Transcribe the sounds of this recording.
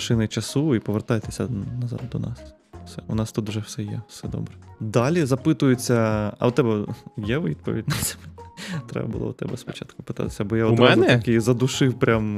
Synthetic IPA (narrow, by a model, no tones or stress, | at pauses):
ʃɪnɪt͡ʃɐsuipɔʋert̪ɑjɛt̪esʲɐnɐzɑ̰d̪d̪ɔ̰nɑ̰s | sɛʊnɑst̪ut̪ʒɛwsɛjɛwsɛd̪ɔ̰bɾɛd̪ɑlʲizɐpɪt̪ʊjʊt͡sʲːɐɐ̰ʊt̪ɛbɛjɛʋid̪pɔʋʲḭdʲnɐsɐmɛt̪ɾɛ̰bɐbʊ̰lˠɔ̰ʊt̪ɛ̰bɛspɔt͡ʃa̰t̪kʊpɪ̥t̪ɑ̰t̪ɪ̥sʲɐbɔjaɔd̪mɛʊnɛt̪ikizɐd̪ʊʃɪwpɾʲʔam